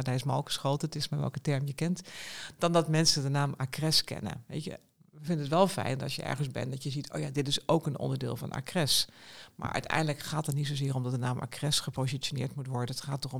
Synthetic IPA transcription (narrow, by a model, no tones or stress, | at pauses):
daɪsmɑlˠkə̥sχowtətɪsmaʋɛ̰lˠkətɛɹmjəkɛntd̥ɑndɑtmɛnsədənaːmakrɛskɛ̰nə̰ʋḛjtə̰ | əvɪndənətʋɛlˠfɛ̰jndɑ̰sjəʔɛ̰ɹɣənzbɛ̰ndɑtjəzitʰo̰wjadɪtɪso̰wkənɔ̰ndəɹdɪ̰ːlˠvɑ̰nʔa̰ːkrɛsmʔa̰ːɹʔœ̰ɥtɛ̰jndələkχaːtətnitsowzɪːɾɔmdɑt̚dənaːmʔa̰krɛsχəpozitʃonɪ̰ːɹtmutʋɔɹdənətχaːtɔχɔm